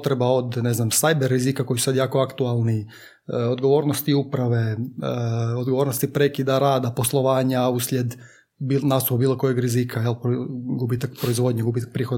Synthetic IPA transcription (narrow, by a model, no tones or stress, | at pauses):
t̪ɾebao̞d̪neznamsajbeɾːizikako̞jsusad̪jaːko̞akt̪ualˠni | od̪ɡo̞ʋo̞ːɾnost̪iupɾaʋe̞ | od̪ɡoo̞ːɾnost̪ipɾekid̪aɾaːd̪aposlˠo̞ʋaːɲauslʲed̪ | binast̪upubiːlˠo̞ko̞jeɡɾizikʰajelpɡubit̪akpɾoizʋo̞d̪ɲeɡubiːt̪ak̚pɾiːxod̪